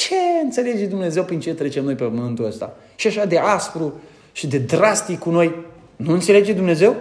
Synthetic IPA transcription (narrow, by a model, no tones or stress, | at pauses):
t͡ʃe̞ɨnt̪se̞le̞d͡ʒe̞d̪umne̞ze̞wpɾint͡ʃe̞t̪ɾe̞t͡ʃemno̞jpepəmɨnt̪uəst̪a̰ | ʃiaʃad̪e̞ʔasfɾu | ʃid̪e̞d̪ɾast̪ikkːuno̞j | nuɨnt̪se̞le̞d͡ʒe̞d̪umne̞ze̞w